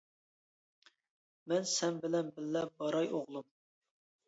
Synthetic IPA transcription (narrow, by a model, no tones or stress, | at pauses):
mɛnsɛmbɪlɛnbɪlːɛbɑɾɑjoʁlˠum